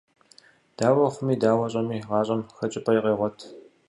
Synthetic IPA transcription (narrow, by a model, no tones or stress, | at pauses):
d̥aːwɐχʷʊmiːdaːwɐɕʼɐmiːʁɑːɕʼɐmxɐt͡ʃʼɪpʼɐjqʼeːʁʷɔtʰ